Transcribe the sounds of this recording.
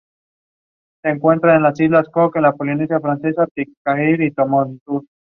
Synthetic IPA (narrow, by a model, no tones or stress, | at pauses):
seːŋkwe̞nt̪ɾaenlasizlaskokenlapolines̬jafɾanse̞sap̪ik̚kahiɾit̪omont̪us